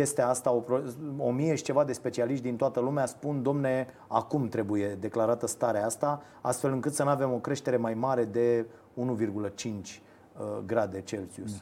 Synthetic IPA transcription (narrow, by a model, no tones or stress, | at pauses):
je̞st̪east̪ao̞pɾoo̞mije̞ʃi̥t͡ʃe̞vad̪e̞spe̞t͡ʃialiʃt̪̚d̪int̪oat̪əlumeaspund̪o̞mne̞ | akumt̪ɾe̞buje̞d̪e̞klaɾat̪əst̪aɾeaast̪a | ast̪fe̞lɨŋkɨt̪sənuave̞mo̞kɾe̞ʃt̪e̞ɾe̞majmaɾe̞d̪e̞ | unuvirɡulət͡ʃint͡ʃʲ | əɡɾad̪e̞t͡ʃe̞lsius